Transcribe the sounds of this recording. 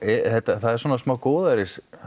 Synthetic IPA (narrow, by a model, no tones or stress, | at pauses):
ɛθɛht̪aθaðɛɾsvɔnasmaːwkɔːðaɾɪs